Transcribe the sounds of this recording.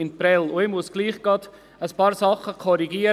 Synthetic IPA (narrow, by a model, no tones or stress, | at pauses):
ɪnpɾɛlʊemusɡ̥liːχɡ̥ɑd̪̥ | əspɑːɾsɑχəkʰɔɾiɡiːə